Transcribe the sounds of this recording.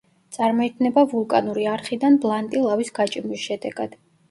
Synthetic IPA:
t̪sʼaɾmɔik̪ʰnɛbavulˠkʼanuɾiaɾχid̪anblˠant̪ʼilˠavisɡat͡ʃʼimisʃɛd̪ɛɡad̪̥

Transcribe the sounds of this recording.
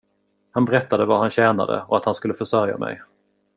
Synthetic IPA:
hanbɛɾɛt̪ːad̪əvaɾhanɕɛːna̰d̪ə̰ɔat̪hanskɵlːəfœʂœɾja̰mɛ̰j

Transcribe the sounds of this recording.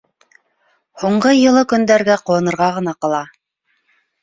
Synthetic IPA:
huɴɢɤjɤ̆lˠɤkɵ̆nd̪æɾɡæqŏwɤ̆nɤ̆ɾʁɑʁɤ̆nɑqɑ̆lˠɑ

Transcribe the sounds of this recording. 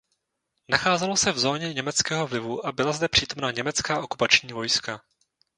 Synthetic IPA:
naxaːzɛlo̞sɛvzo̞ːɲɛɲɛmɛt͡skɛːɦo̞vlɪvuʔabɪlazd̪ɛpr̥iːt̪o̞mnaɲɛmɛt͡skaːʔo̞kupat͡ʃɲiːvo̞jska

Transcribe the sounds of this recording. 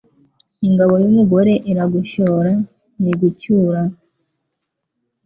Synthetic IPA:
iŋɡaβo̞jumuɡo̞ɾe̞ʔiɾaɡuʃoːɾa | niɡucuːɾa

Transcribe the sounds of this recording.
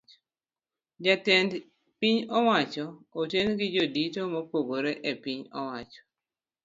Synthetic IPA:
d͡ʒatɛnd | piɲɔwat͡ʃɔotenɡɪd͡ʒoditomɔpoɡoɾeʔepiɲɔ̰wat͡ʃɔ̥

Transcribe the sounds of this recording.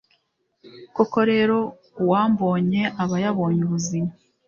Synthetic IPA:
koko̞ɾe̞ːɾo̞ | waːmbo̞ːɲe̞ʔaβajaβo̞ːɲuβuzima

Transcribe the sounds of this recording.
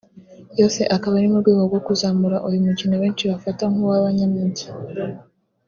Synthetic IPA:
jo̞ːse̞ʔakaβanimubɡwiːɡo̞ɡwo̞kuzaːmuɾaʔujumucinaβe̞ːnt͡ʃiβafataŋhuwaβaɲamuɟi̥

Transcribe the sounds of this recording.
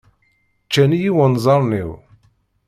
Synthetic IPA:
t͡ʃːænijiwənzˤɑɾˤniw

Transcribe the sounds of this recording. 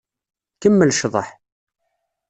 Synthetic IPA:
kəmːəlʃðˤəħ

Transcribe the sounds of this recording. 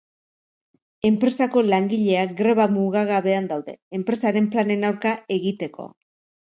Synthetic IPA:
e̞mpɾe̞sako̞laŋɡiʎe̞aɡɾeβamuɣaɣaβe̞and̪awðe̞̰ːmpɾe̞saɾe̞mplane̞nawɾkae̞ɣit̪e̞ko̞̰

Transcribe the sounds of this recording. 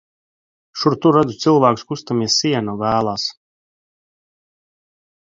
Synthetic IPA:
ʃuɾt̪uɾad̪zut̪sɨlˠvæːkuskust̪amiɛsiɛnɔvæːlˠaːs

